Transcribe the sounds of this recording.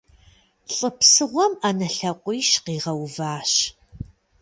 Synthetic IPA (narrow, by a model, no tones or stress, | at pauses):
ɬʼəpsɨʁʷɔmanɐɬɐqʷʼiːʃqiːʁɐwvaːɕ